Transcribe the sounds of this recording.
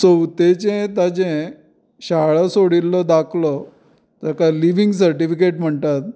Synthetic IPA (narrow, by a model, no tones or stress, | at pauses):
səwt̪et͡ɕẽt̪ad͡ʑẽ | ɕaɭəsoɽilːɔd̪akʰlɔ | t̪əɾkaliʋiŋɡs̬əɾʈifikeʈm̤əɳt̪at̪̚